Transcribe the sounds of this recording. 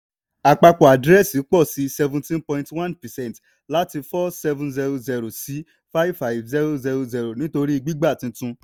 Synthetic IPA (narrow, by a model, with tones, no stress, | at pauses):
a˨k͡pa˧kɔ˨a˨dɾɛ˦si˨˦k͡pɔ˦˨si˨˦sɛ˧vũ˧tĩ˦npɔ̃˧ĩ˦twã˦npɛ˨sɛ̃˦˨t | la˦ti˧fɔ˦sɛ˧vũ˦nzɛ˧ɾo˨zɛ˧ɾo˨si˨˦ | fa˦vfa˧˨jvzɛ˦ɾo˦zɛ˧ɾo˨zi˧ɾo˨nĩ˦to˧ɾi˦i˧ɡ͡bi˦ɡ͡ba˦˨tĩ˧tũ˧